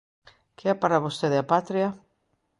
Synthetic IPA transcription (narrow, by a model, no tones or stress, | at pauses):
keɛpaɾaβost̪eðeapat̪ɾja